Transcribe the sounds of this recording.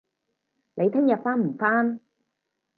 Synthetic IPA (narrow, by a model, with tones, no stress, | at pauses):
le˨˧jt̪ʰɪ˥ŋjɐ˨t̚faː˥nm̩˨˩faː˥n